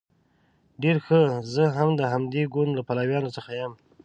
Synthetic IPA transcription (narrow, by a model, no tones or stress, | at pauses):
ɖeɾxəzəɦamd̪əɦamd̪eɡʊnlapalawjɑnot͡səxajəm